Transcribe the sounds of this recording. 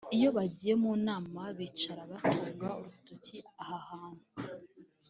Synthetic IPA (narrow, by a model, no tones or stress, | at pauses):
ijo̞βaɟije̞muːnaːmaβit͡ʃaɾaβatuːŋɡauɾutociahahaːn̥hu